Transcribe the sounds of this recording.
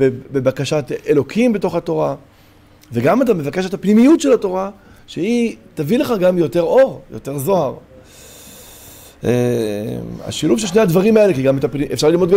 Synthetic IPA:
bebebakaʃatelo̞kʰimbeto̞χato̞ʁa | veɡamat̬ame̞vake̞ʃet̪apnimijutʃelato̞ʁa | ʃeit̪avile̞χaɡamjo̞te̞ʁo̞ʁjo̞̰te̞ʁzo̞aʁ | ema̰ʃiluvʃelʃnehad̪vaʁimaelekiɡametapiefʃaʁlilmotɡa

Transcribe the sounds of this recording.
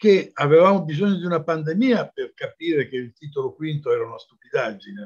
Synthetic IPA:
keavevaːmobizoɲːod̪iunapand̪emiːaperkapiːɾekeilt̪iːt̪olokwint̪oɛːɾaunast̪upid̪ad͡ʒine

